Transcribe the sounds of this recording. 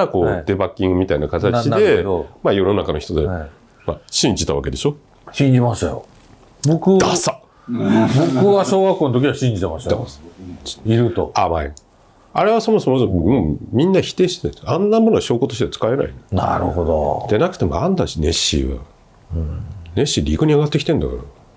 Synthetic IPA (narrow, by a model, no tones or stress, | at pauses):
ako̞ːd̪e̞bakʲːĩŋɡɯ̟mʲit̪ainakat̪ant͡ɕie̞majo̞no̞nakano̞çi̥t̪o̞d̪e | maɕĩɲ̟d͡ʑit̪aβa̰ke̞d̪e̞ɕo̞ | ɕĩɲd͡ʑimaɕt̪ajo̰ | bokɯ̟d̪asa | bokɯ̟βaɕoːɡakːoːnot̪okʲiaɕĩɲd͡ʑit̪emaɕt̪ḁ | iɾɯ̟t̪oaβai | aɾe̞β̞aso̞moso̞mosomomʲĩnːaçi̥t̪e̞ːɕit̪ensãnːamo̞noaɕo̞ːkot̪o̞ɕit̪e̞t͡sɨ̥kaena̰ḭnena̰ɾɯ̟hod̪o̰d̪̥enakɯ̟̥e̞moãnd̪aɕine̞ɕːḭβa̰ | ne̞ɕːiɾʲikoɲ̟iaɡat̪ːekʲi̥t̪ẽ̞nd̪akaɾa